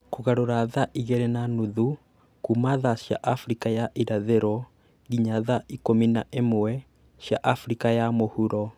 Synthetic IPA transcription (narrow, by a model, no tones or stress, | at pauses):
koɣaɾoɾaðaʔiɣɛɾɛnanuðu | kumaðaɕja̰ʔafɾikajaʔiɾaðeɾɔ | ɣiɲaðaʔikominaʔemowɛ | ɕjaʔafɾikajamohuɾɔ